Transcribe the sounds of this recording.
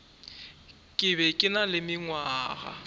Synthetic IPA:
kʼɪbɛkʼɪnalɪmɪŋwaːɣa̰

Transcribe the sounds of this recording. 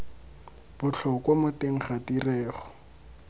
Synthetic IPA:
b̥ʊt͡ɬʰɔkwamʊteŋ̩χadirɛːχɔ

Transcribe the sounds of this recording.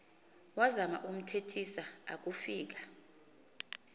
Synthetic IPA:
wazama̰ʔum̩tʰetʰisaa̰k̬ufiːk̬ḁ

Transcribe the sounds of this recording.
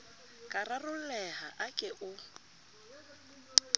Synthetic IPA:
kʼararʊl̩lɛha̰ʔakʼɪʔʊ

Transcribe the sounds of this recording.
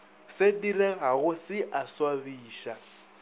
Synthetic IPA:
sɪdirɪɦaɣʊsɪʔaswaβiːʃa

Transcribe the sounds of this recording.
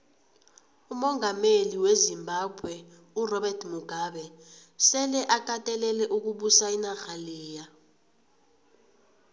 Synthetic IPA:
umɔŋameliwezimbʱab̥ʱwɛ | urɔɓɛrtʰmuɡ̥ʱaɓɛsɛlɛʔak̬ʼatʼɛlɛlɛʔuk̬uɓusainaxaliːja

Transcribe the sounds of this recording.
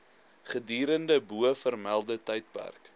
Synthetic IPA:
χədiːɾəndəbuəfərmælˠdətəjt̚pæ̰rk

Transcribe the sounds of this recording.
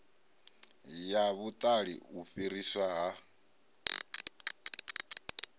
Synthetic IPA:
jaβut̪ʼaɺḭuɸiɾiswaɦa

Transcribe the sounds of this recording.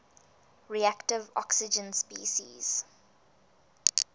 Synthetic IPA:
ɹiæktɪvɔ̰ksɪd͡ʒə̃nspiːʃḭz̥

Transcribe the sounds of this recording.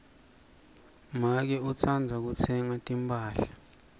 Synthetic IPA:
mak̬ɛut͡sʰand͡zʱak̬ut͡sʰɛŋatʼimpʰʼaːɬḁ

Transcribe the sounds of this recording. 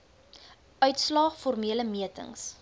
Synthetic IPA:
ʔœɥtslɑːχfɔrmiələmiətə̰ŋs

